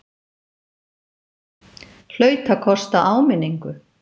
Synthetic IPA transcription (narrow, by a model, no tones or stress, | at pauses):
l̥œːɥt̪akʰɔst̪aʔaːwmɪnːiŋkʏ